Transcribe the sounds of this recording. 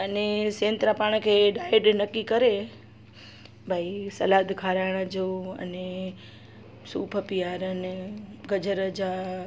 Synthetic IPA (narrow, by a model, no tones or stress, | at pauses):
ənesẽnt̪ɾapaɳ̃əkʰeɖaiɖnəkːikəɾe | bʱaisəlad̪kʰaɾaɽ̃ad͡ʒoə̰ne | suːpʰəpijaɾəneɡəd͡ʒəɾəd͡ʒa